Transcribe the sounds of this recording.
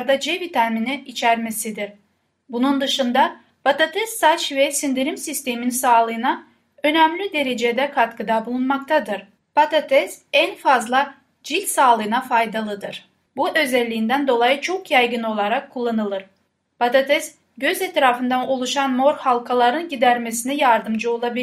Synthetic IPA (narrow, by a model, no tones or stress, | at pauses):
ɾd̪ad͡ʒevit̪ʰaɾminɛit͡ʃʰæɾme̞sid̪iɾ | bunund̪ɯʃɯnd̪a | pat̪at̪ʰɛsːat͡ʃvɛsind̪iɾimsist̪ʰe̞minsaːlˠɯɯna | ø̞næmlʲid̪e̞ɾe̞d͡ʒed̪ɛkʰat̪kɯd̪abulˠunmakt̪ʰad̪ɯɾ | pat̪at̪ʰɛsænfazlˠa | d͡ʒilʲsaːlˠɯːnafajd̪alˠɯd̪ɯɾ̥ | buʔø̞zɛlʲːijːnd̪ænd̪o̞lˠajɯt͡ʃʰo̞kjajɡɯno̞lˠaɾakʰːulˠːanɯlˠɯɾ | pat̪at̪ʰɛs | ɟø̞zɛt̪ɾaːfɯnd̪anolˠuʃanmo̞ɾhalˠkʰalˠaɾɯnɟid̪æɾme̞sinɛjaɾd̪ɯmd͡ʒɯo̞lˠabil